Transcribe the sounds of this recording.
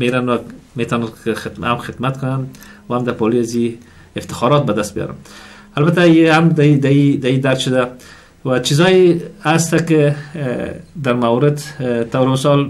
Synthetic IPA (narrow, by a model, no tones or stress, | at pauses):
meɾanwamet̪ɔnanɪɪa̰mxɪd̪mat̪kʊnanwaamd̪apɔliazi | ɪft̪ɪ̥xɑɾɔt̪̚bad̪ast̪bijɔ̰ɾa̰n | albat̪aiamd̪id̪aid̪aid̪aɾt̪ʃʊd̪a | wat͡ʃizɔjɪast̪akɪ | d̪aɾmawɾɪd̪t̪awɾɪmɪsɑl